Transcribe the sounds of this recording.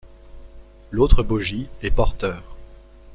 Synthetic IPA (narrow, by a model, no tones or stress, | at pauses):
lot̪χəbɔʒiɛpɔʁt̪œːʁ